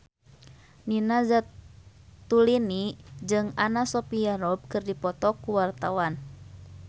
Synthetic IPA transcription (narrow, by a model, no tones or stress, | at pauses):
ninazatt̪ːulinid͡ʒɨŋanasɔpiaɾɔb̚kɨrdipɔt̪ɔkuwart̪awan